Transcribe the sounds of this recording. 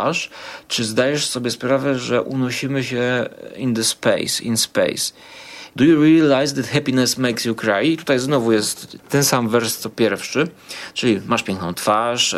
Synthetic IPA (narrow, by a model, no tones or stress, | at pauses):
ʂt͡ʂɨzd̪ajɛʂsɔbʲjɛspɾavɛʐɛʔṵnɔɕimɘɕɛind̪ɛspɛ̰jsḭnspɛ̰js | d̪ujuɾialajzd̪ɛt̪xɛpʲinɛsmɛjksjukɾajit̪u̥t̪ajznɔvujɛst̪ːɛnsamvɛɾst̪ɔpʲjɛɾfʂɘ | t͡ʂɘlʲimaʂpʲjɛ̃ŋknɔ̃t̪faʂ